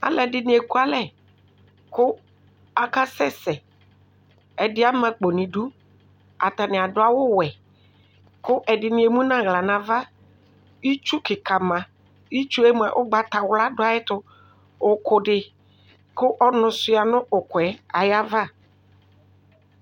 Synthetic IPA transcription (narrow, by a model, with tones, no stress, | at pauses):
a̰˨lɛ˨dɪ˨nɪ̃˨e˨ku˦a˦lɛ˦ | kʊ˦ | a˨ka˦sɛ˦sɛ˨ | ɛ˨dɪ˦a˦mã˨k͡po˨nɪ̃˨du˦ | a̰˨t̪a˨nɪ̃˨a˨dʊ˨˦a˨wʊ˦wɛ˨ | kʊ˦ʔɛ˨dɪ˨nɪ̃˨˦e˨mũ˦nã˦ɣla˨nã˨va˦ | i˦t͡ʃu˦kɪ˨ka˨mã˨ | i˦t͡ʃu˦e˦mũ˦˨a̰˨ʔʊ˦ɡ͡ba˨t̪a˨wla˦dʊ˦a˨ɪ˦t̪ʊ˦ | ʊ˨kʊ˨dɪ˨ | kʊ˦ʔɔ˦nʊ̃˨sʊ˦a˨nʊ̃˦ʔʊ˨kʊ˨ɛ˨a˨ja˦va˦